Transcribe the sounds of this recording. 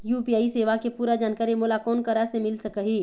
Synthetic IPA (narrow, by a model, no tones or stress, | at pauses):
juːpijaːiseːʋakepuːɾad͡ʒaːnkaːɾimʊːlakɔːnkɐɾasemɪlsɐkəɦiː